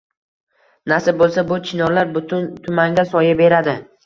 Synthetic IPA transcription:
nasɪbolˠsabʊt͡ʃʰɪnɒɾlaɾbʊt̪ʊnt̪ʰʊmaŋɡʲasɒjabe̞ɾad̪ɪ

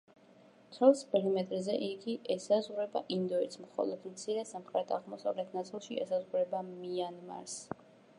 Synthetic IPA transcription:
t̪ʰɾɛlˠspɛlimɛt̪ʼɾzɛʔiɡiʔɛsazʁuɾɛba̰ʔind̪ɔit̪smχɔ̰lˠɔd̪mt̪sʰiɾɛsamχɾɛt̪ʰaʁmɔsa̰vlɛt̪ʰnat̪sʼilˠʃiɛ̰sazʁuɾɛbamianma̰ɾs

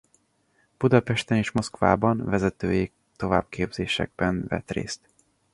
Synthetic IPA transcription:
b̥ud̪ɒpɛʃt̪ɛneːʃmo̞skva̰ːbɒnvɛzɛt̪øːjeː | t̪o̞va̰ːb̚kʰeːbz̥eːʃɛ̰ɡ̚bɛnvɛ̰t̪rḛːst̪

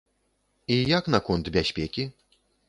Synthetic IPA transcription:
ijaknɐkɔnt̪bʲaɕʲpʲekʲi

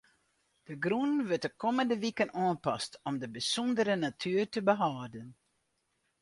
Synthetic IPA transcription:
d̥əɡrunʋøtəkɔməndəʋikənɑːnpɑstɔmdəbəsɔndəɾənatʰyːrtəbəɦaːdən

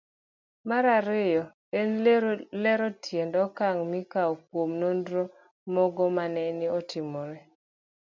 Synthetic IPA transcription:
maɾaɾejɔ | enlɛɾɔtʰjendɔkaŋmikaɔk̚womnondɾo | mɔɡɔmanɛniɔtɪmɔɾɛ

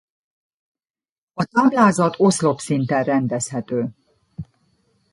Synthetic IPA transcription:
ɒt̪aːblaːzɒt̪o̞slo̞psint̪ɛnrɛnd̪ɛshɛt̪øː

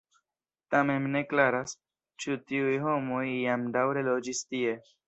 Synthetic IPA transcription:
t̪amẽmneklaɾas | t͡ʃʰut̪iujɦomojijamɖ̪awɾelod͡ʒist̪ie

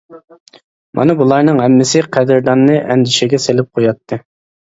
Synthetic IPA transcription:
mʔɑ̰nɨbulˠɑɾnɨŋɦɛmːɪsɪqʰæd̪ɪɾd̪ɑnːɨʔɛnd̪ɪʃɪɡʲɛselɪp̚qʰojɑt̪ʰːɨ

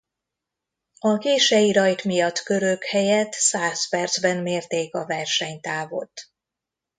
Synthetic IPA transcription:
ɒkeːʃɛjiɾɒjt̪mijɒt̪ːkø̞ɾøkhɛjɛt̪saːspɛrd̪zbɛnmeːrt̪eːkɒvɛrʃɛɲt̪aːvo̞̰t̪ː

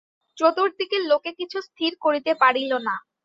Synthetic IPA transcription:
t͡ɕot̪uɾd̪ikelokekit͡ɕʰust̪ʰiɾkoɾit̪epaɽilona

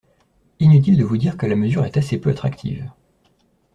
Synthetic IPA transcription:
inyt̪̬ild̪əvud̪iʁkəlaməzyʁɛt̪asepøat̪χakt̪ʰḭv

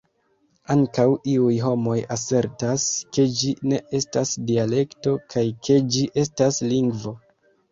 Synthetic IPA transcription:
aŋkawiujɦo̞mo̞jase̞ɾtaske̞d͡ʒine̞ʔe̞stasdiale̞kto̞kʰajkʰe̞d͡ʒiʔe̞stasliŋɡvo̞

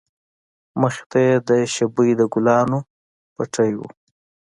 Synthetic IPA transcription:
məxe̥t̪ajed̪əʃabəjd̪əɡʊlɑno | paʈʰəjwṵ

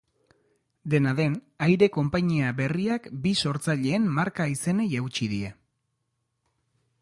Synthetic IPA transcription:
d̪e̞naðe̞n | ajɾe̞ko̞mpaɲiaβe̞riakbiso̞ɾt͡saʎe̞ːmmaɾkaise̞ne̞jawt͡ʃiðie̞

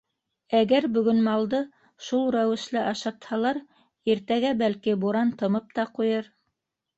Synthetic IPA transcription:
æɡæɾbɵ̆ɡɵnmɑlˠd̪ɤ | ʃulˠɾæwɘ̆ʃlɘʔɑʃɑt̪hɑlˠɑɾ | iɾt̪æɡæbælkibuɾɑnt̪ɤ̆mɤp̚t̪ɑqujɤɾ

